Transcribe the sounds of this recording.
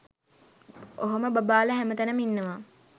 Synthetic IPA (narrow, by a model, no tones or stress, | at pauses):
oɦoməbɐbaːləɦæmət̪ænəminːɐʋaː